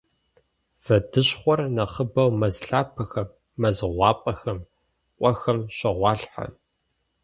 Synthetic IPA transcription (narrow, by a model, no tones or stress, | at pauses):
v̥ɐdɨɕχʷɔrnɐχəbɐwmɐzɬaːpʰɐxɐmː | ɐzɨʁʷɑːpʼɐxɐm | qʷʼɔxɐmɕɐʁʷɑːɬħa̰n